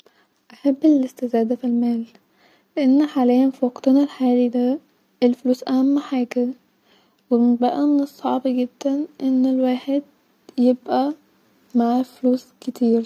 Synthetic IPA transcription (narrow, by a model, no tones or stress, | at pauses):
ʔaħabːɪlɪst̪ɪzaːd̪afilmaːl | lɪʔanːħalajanfiwɑqt̪nalħaːlid̪a | ʔɪlfluːsʔahamːaħaːka | wɪmɪnbaʔamɪnɪsˤːɑʕbiɡɪd̪̥ːanʔɪnːɪlwaːħɪd̪̚ | jɪbʔa | maʕfluːskɪt̪iːɾ